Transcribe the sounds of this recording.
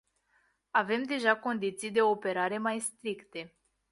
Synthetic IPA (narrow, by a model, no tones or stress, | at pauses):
ave̞md̪e̞ʒako̞nd̪it̪sijd̪e̞o̞pe̞ɾaɾe̞majst̪ɾikt̪e̞